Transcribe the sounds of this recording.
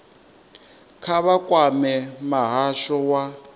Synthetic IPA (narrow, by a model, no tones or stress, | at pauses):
kʰaβakʼwamɛmaɦaʃɔwa